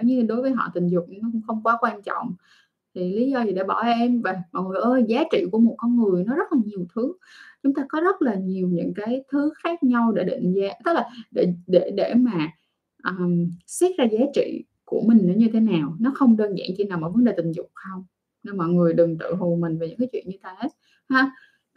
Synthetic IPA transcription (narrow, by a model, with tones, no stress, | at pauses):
ɲɨ˧˩ɗo˨˦jvəː˨˦jɦɔ̰˧˨t̪ï˨˩ŋ̟zʊ˨˩k͡p̚n˧˦nɔ˨˦kʊ̰˧˥ŋ͡mxə˧wŋ͡mkwaː˨˦kwaː˧nt͡ɕɔ̰˧˨wŋ͡m | t̪ʰi˨˩li˨˦zɔ˧zi˨˩ɗḛ˧˩ɓɔ˧˩ʔɛ˧mvə˨˩jmɔ̰˧˨jŋɨ˨˩ə˩jʔəː˧zaː˨˦t͡ɕḭ˧˨ku˧˩əmo˨˩t̚kɔ˧nŋɨ˨˩əjnɔ˨˦zə˦˥laː˨˩ɲi˨˩əwt̪ʰɨ˨˦ | t͡ɕʊ˨˦ŋ͡mt̪aː˧kɔ˨˦zə˦˥t̚laː˨˩ɲi˨˩əwɲɨ̰˧˥ŋkaː˨˦jt̪ʰɨ˨˦xaː˦˥k̚ɲa˧wɗe˧˩ɗḭ˧˨ŋ̟zaː˨˦t̪ə˦˥k̚laː˨˩ɗe˧˩ɗe˧˩ɗe˧˩maː˨˩ | ʔəː˨˩msɛ˦˥t̚zaː˧zaː˨˦t͡ɕḭ˧˨ | ku˧˩əmï˨˩ŋ̟ʔəː˧˨˩ɲɨ˧t̪ʰe˨˦naː˨˩wnɔ˨˦xə˧wŋ͡mɗəː˧nza̰ː˧˨nt͡ɕi˧˩naː˨˩wmaː˨˧˩və˨˦nɗe˨˩t̪ŋ̟zʊ̰˨˩k͡p̚xə˧wŋ͡m | ne˧mɔ̰˧˨jŋɨ˨˩əjɗɨ˨˩ŋt̪ɨ̰˧˨ɦu˨˩mï˨˩ŋ̟va˨˩ɲɨ̰˧˥kaː˨˦t͡ɕwḭ˧˨ənɲɨ˧t̪aː˧he˦˥t̚ | haː˨˧˦